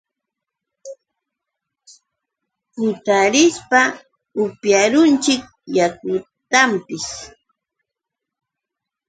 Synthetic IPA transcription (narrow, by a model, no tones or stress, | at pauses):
pʊt̪aɾɪspa | ʊpjaɾʊnt͡ʃɪk̚ | jakʊ | t̪ampɪs